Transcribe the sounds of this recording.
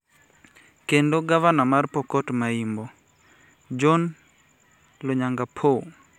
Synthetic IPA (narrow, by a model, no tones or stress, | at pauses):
kendoɡavanamarpɔkɔtmaimbo | d͡ʒɔn | loɲaŋɡapʰo